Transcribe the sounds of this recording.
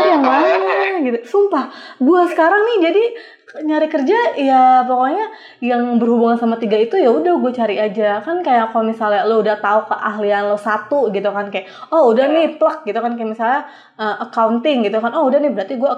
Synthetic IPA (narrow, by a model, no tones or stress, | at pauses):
ajaŋaɡit̪usumpahɡuasə̥kaɾaŋnɪhd͡ʒadi | ɲaɾɪkərd͡ʒajapokoɲa | jaŋbərhubuŋansamat̪iɡait̪ujaudahɡuat͡ʃaɾiad͡ʒakankajaʔkomisalaloudaht̪aukəʔaɦlianlohsat̪uɡit̪ukankajaʔɔudahnɪhplək̚ɡit̪ukankajaʔmisalɲa | əʔakawnt̪ɪŋɡit̪ukanɔhudahnɪbəɾart̪iɡua